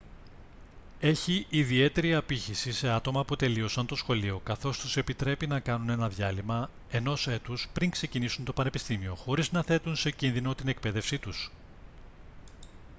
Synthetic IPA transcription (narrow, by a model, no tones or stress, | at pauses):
e̞çiʔːðie̞t̪e̞ɾiɐpiçisise̞ɐt̪o̞mɐput̪e̞lio̞sɐnt̪o̞sxo̞lio̞kɐθo̞st̪use̞pit̪ɾe̞pinɐkɐnune̞nɐðʝɐlimɐ | e̞no̞se̞t̪uspɾiŋkse̞cinisunt̪o̞pɐne̞pist̪imio̞xo̞ɾiznɐθe̞t̪unse̞cinðino̞t̪ine̞k̚pe̞ðe̞fsit̪us